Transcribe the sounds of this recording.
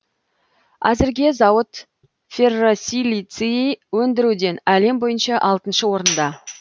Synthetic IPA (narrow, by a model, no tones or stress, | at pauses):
æzɪɾɡʲe̞zɑwət̪ | fʲerosʲilit̪siiwɵnd̪ɪɾud̪e̞næle̞mbo̞jənʃɑʔɑlˠt̪ənʃəwo̞ɾənd̪ɑ